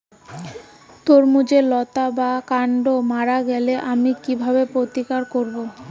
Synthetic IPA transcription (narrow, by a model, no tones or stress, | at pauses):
t̪oɾmud͡ʑelɔt̪abakaɳɖomaɾaɡɛleʔamikibʱabepɾot̪ikaɾkoɾbo